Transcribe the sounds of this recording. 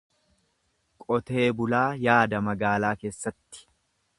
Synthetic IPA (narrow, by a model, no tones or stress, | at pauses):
kʼɔt̪e̞ːbʊlaːjaːd̪ɐmɐɡaːlaːke̞ːsːɐt̪ːɪ̥